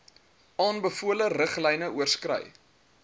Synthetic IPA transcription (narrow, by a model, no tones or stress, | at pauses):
ʔɑːnbəfuələrəχlɛjnəuərskrɛ̰j